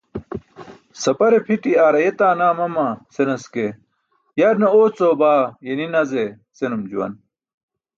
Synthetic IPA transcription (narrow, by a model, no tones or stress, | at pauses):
sɐpɐɾepʰiʈiaːɾɐjet̪aːnaːmɐmɐsenɐske | jɐɾnɐoːt͡soːbaːjeninɐze | senumd͡ʑuwɐ̰n